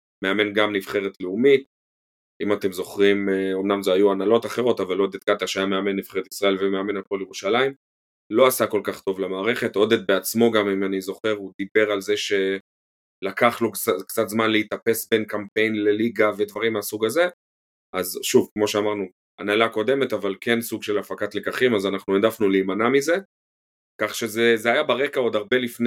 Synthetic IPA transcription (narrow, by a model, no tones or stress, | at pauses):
me̞ame̞nɡamnivχe̞ʁet̪leumit̪ | imat̪e̞mzo̞χʁimomnamzeajuanalo̞t̪aχe̞ʁo̞t̪avalo̞d̪ed̪̚ɡat̪aʃajame̞ame̞nːiv̥χeet̪isʁae̞lvemeame̞nat̚poljeʁuʃalaim | lo̞asako̞lkaχt̪o̞vlemaːʁeχe̞t̪o̞d̪ed̪̚beat͡smo̞ɡamimanizo̞χe̞ʁud̪ibe̞ʁalze̞ʃe̞ | lakaχlokt͡sakt͡sat̪zmanleit̪ape̞sbe̞nkampe̞jnle̞liɡave̞d̪vaʁimasuɡaze̞ | azʃuvkmo̞ʃeamaʁnu | a̰nalako̞d̪e̞me̞t̪avalke̞nsuɡʃe̞lafakat̪lekaχimazanaχnued̪afnuliːmanamize̞ | kaχʃezezeajabaʁe̞kao̞d̪aʁbe̞lifn